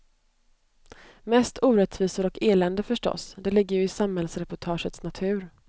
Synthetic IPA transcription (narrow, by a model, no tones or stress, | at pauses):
mɛst̪ʰuːɾɛt̪viːsaɾɔkeːlɛnd̪əfœʂʈɔ̰sd̪ɛlɪɡːəjɵɪsamhɛlsɾɛpʊʈʰɑːʂət̪snat̪ʰʉ̟ːɾ